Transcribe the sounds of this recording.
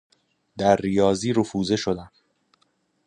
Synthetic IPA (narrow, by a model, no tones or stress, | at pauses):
d̪æɾːijɒːziːɾofuːzeʃod̪æm